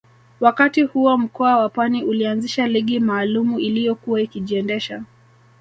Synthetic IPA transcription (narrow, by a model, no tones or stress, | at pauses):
wakatihuam̩kɔawapwaniʔulianziʃaliɠimaːlumuilijɔkuwaikiʄiɛndɛʃa